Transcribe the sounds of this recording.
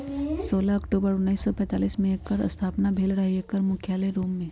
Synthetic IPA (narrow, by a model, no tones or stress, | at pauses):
soːlaɐkʈuːbəɾʊnːəiːsːɔpɛ̃ːt̪aːliːsmẽkːəɾə̰st̪ʰaːpnabʱeːlɾəɦiekəɾmʊkʰjaːleɾoːmːẽ